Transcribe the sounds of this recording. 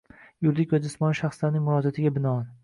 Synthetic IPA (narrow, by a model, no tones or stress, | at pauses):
jʊɾd̪ɪkʲad̪ɪsmɒnʃaχslaɾnɪŋʲmʊɾɒd͡ʒat̪ʰɪɡʲabɪnɒɒn